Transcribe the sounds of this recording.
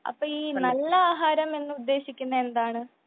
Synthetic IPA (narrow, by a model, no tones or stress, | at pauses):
ɐ̰pːɐiːnɐlːɐaːɦaːɾɐmenːɨud̪ːeːɕikʲːunːɐend̪aːɳɨ